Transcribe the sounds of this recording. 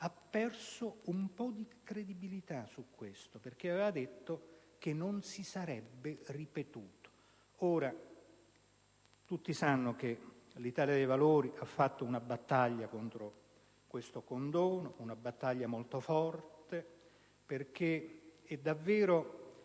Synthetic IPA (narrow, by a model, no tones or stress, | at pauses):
apːɛrsoumpɔd̪ikɾed̪ibilit̪asukːwest̪operk̟eaveːvad̪et̪ːok̟enːonsisaɾɛbːeripet̪uːt̪o̥ | oːɾa | t̪ut̪ːisanːok̟elit̪aːljad̪ejvaloːɾiʔafːat̪ːounabat̪ːaʎːakont̪ɾo | kwest̪okond̪oːnounabat̪ːaʎːamolt̪ofɔrt̪e | perk̟eɛd̪ːavːeːɾo